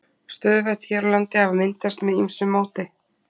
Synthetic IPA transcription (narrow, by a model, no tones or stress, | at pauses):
st̪œːðvɛt̪çɛɾlant̪ɪhavmɪnt̪ast̪mɛðimsʏmːaːwt̪ɪ